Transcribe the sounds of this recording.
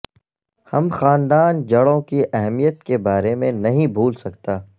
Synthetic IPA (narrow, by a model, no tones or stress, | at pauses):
hɐmxaːnd̪aːnd͡ʒɐɽõkiʔɛɦmijət̪kebaːɾemẽnɐɦĩbʱuːlsɐkt̪aː